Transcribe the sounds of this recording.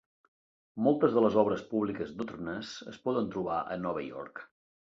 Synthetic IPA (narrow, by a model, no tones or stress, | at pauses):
mɔlˠt̪əzðələzɔβɾəspuβlikəzd̪ot̪nəsə̰spɔðənt̪ɾuβaʔə̰nɔβəjɔ̰ɾk